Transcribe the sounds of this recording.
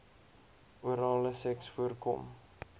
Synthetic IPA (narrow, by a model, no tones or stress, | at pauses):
uəɾɑːləsɛksfuərkɔ̰m